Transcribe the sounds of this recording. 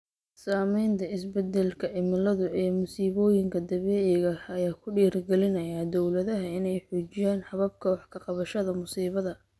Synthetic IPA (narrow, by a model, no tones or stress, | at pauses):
saːmɛjnt̪ʰɐɪsbɛd̪ɛlkʰɐʕɪmɪlɐðʊɛːmʊsiːβɔːjɪŋkʰɐd̪ɐβɛːʕɛɣɐɐjaːkʰʊɖiːrɡɛlɪnɐjad̪ɔwlɐðɐɦɐɪnɛjħuːt͡ʃɪjaːnħɑβɐb̚kʰɐwɑħkʰɐqɑβɐʃɐðɐmʊsiːβɐðɐ